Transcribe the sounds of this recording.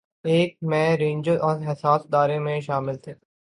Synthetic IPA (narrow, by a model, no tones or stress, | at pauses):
eːk̚mɛ̃ːɾẽːɲd͡ʒəʔɔːɾɦɪsaːsd̪aːɾẽmẽʃaːmɪlt̪ʰeː